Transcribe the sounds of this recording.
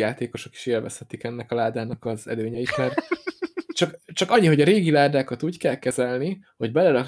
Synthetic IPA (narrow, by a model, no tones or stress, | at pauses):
aːt̪eːko̞ʃo̞ke̥ːʃeːlvɛ̰shɛt̪ikɛnːɛkɒlaːd̪aːnɒkɒzɛ̰løːɲɛiʃmɛr | t͡ʃɒkt͡ʃɒkɒɲːiɦo̞ɟɒɾeːɡilaːd̪aːkɒt̪uːckɛlkɛzɛlniho̞ɟbɛlɛɾɒ